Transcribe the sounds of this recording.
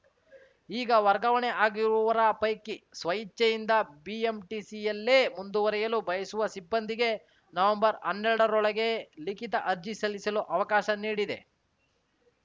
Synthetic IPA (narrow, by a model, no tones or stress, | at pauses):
iːɡɐʋɐɾɡɐʋɐɳeʔaːɡiɾuʋɐɾɐpɐjkisʋɐjit͡ʃːɐjind̪ɐbiːemʈisijɐlːeːmund̪uʋɐɾɛjɐlubɐjɐsuʋɐsibːɐnd̪iɡe̞ | nɐʋɐmbɐɾɐnːɛɾɽɐɾɔɭɐɡe̞likit̪ɐʔɐɾd͡ʒisɐlisɐloːʔɐʋɐkaːʃɐniːɽid̪e̞̰